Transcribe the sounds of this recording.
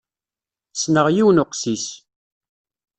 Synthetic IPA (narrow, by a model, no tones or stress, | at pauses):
snəʁjiwnʊqsis